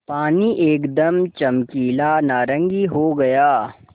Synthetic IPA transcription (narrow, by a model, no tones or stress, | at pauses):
paːniʔeːkd̪ɐmt͡ʃɐmkiːlaːnaːɾə̃ŋɡiɦoɡɐjaː